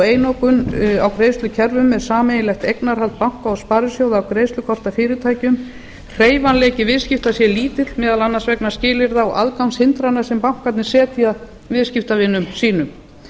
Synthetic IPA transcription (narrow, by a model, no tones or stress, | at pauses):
eːjnowkʏnawkɾeːjst̪lʏcʰɛɾvʏmɛɾ̥saːmejɪlɛxt̪ejknaɾ̥halt̪̚pawŋ̥kaɔspaːɾʏsjoːwðaːwkɾejslʏkʰɔr̥t̪afɪːɾɪt̪ʰaːjcʏm | r̥eːjvanlɛːcɪvɪðscɪft̪asjɛliːt̪ɪt̪mɛːðalanːansvɛknḁscɪːlɪɾðaɔʔa̰ðkawnshɪnt̪ɾanːasɛmpawŋ̥kat̪nɪ̥sɛːt̪ɪa | vɪðscɪft̪avɪnːʏmsiːnʏm